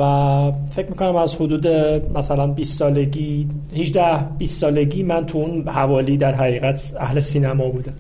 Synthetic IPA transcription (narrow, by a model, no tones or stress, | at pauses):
væfe̞cʰmiːkʰo̞næmæzhod̪uːd̪e̞mæsælænbiːst̪ːɒːleɟiːhid͡ʒd̪æhb̥iːst̪ːɒːle̞ɟiːmænt̪ʰuunhævɒːliːd̪æɾɦæɣiːɣæt̪ʰ | æhlesiːnæmɒːbuːd̪æm